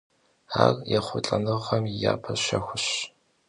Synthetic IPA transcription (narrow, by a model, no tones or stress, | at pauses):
aːrjɛχʷʊt͡ɬʼɐnɨʁʁɐmjaːpʰɐɕɐxʷʊɕ